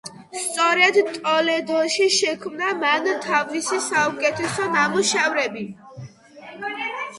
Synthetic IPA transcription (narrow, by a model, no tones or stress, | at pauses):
st̪sʼɔɾɛd̪t̪ʼɔlɛd̪ɔʃiʃɛkʰmnamant̪ʰavisisaukʼɛt̪ʰɛsɔnamuʃɛvɾɛbi